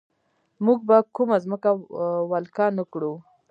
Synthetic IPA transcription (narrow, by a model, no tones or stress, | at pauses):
muɡ̚bakumazməkawalkɑnakɽu